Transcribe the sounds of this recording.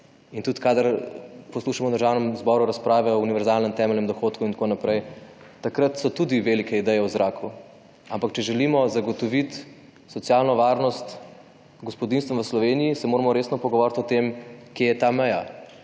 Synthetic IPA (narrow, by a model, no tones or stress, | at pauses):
int̪ut̪kaːd̪əɾpɔsluːʃamɔd̪əɾʒaːwnɛmzbɔɾuɾaspɾaːʋɛɔuniʋɛɾzaːlnɛmt̪ɛːmɛlnɛmd̪ɔxoːt̪kuint̪konapɾɛjt̪akɾət̪sɔt̪ud̪iʋelikʰɛid̪ɛjɛwzɾaːkʰu | ampakt͡ʃɛʒɛlimɔzaɡɔt̪ɔʋit̪ | sɔt̪sjaːlnɔʋaːɾnɔst̪ | ɡɔspɔd̪inst̪ʋəʋəslɔʋeːnijisɛmoɾamɔɾeːsnɔpɔɡɔʋɔːɾt̪ɔt̪emkjejɛt̪amɛja